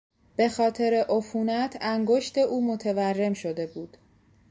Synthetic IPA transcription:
b̥e̞xɒːt̪ʰe̞ɾeʔofuːnæt̪ʰæŋɡo̞ʃt̪e̞ʔuːmo̞t̪ʰe̞værːe̞mʃo̞d̪e̞buːd̪̥

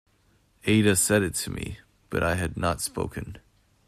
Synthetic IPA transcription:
eɪɾɨsɛɾɨtʰɨmḭ | b̥ʌ̰ɾʔaɪɨdⁿnətspo̰ʊkɨ̰̃n

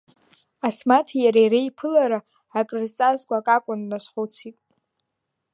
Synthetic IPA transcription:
asmatʰajaɾajrejpʰɨlaɾaː | kʼrzt͡sʼazɡʷʼakʼakʷʼʊnːasχot͡sʰitʼ

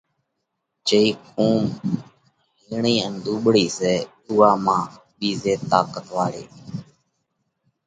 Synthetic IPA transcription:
t͡ʃəiːkũːm | ɦiːɳiːənɗ̪uːɓɽiːseː | uːaːmãː | ɓiːzeːt̪aːkət̪ʋaːɽḛː

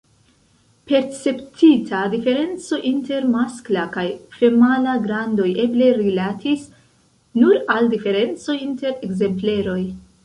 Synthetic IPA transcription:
pe̞ɾt͡se̞ptʰitʰadife̞ɾe̞nt͡so̞ʔinte̞ɾmasklakajfe̞malaɡɾando̞je̞ble̞ɾilatis | nuɾaldife̞ɾe̞nt͡so̞inte̞ɾe̞kze̞mple̞ɾo̞j

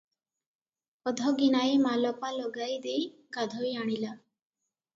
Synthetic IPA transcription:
ɔd̪ʱɔɡinaemalɔpalɔɡajd̪ejɡad̪ʱɔjaɽ̃ila

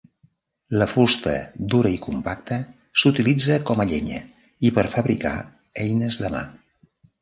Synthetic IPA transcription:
ləfust̪ə̰d̪uɾəikumpak̚t̪ə | sut̪ilid͡zəkɔməʎɛɲə̰ | ipəɾfəβɾika̰ | ɛjnəzðəma̰

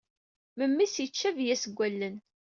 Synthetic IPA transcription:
məmːisjət͡ʃːævjæsəɡʷːælːən

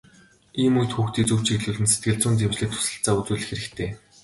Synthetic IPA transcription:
iːmujt̪xuːxt̪iːt͡suw̥t͡ɕiɮuːɮɘ̆nset̪ɡɘ̆ɮt͡sʊːnt̪emt͡ɕɮɘ̆ːk̚t̪ʰʊ̥sə̆ɬt͡saːut͡suːɮɘ̆xeɾɘ̆kt̪ʰeː

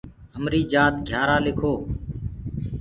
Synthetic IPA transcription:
ɦəmɾiːd͡ʒaːt̪ɡʱjaːɾaːlɪkʰoː

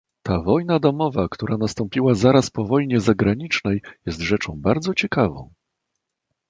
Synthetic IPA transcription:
t̪avɔjnad̪ɔmɔvakt̪uɾanast̪ɔmpʲiwazaɾaspɔvɔjɲɛzaɡɾaɲit͡ʂnɛjjɛst̪ʐɛt͡ʂɔ̃w̃baɾd̪zɔt͡ɕɛkavɔ̰̃w̃

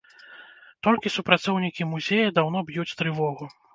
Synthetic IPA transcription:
t̪ɔlʲkʲisupɾat̪sɔwnʲikʲimuzʲejɐd̪awn̪ɔbjut͡sʲt̪ɾɨvɔɣu

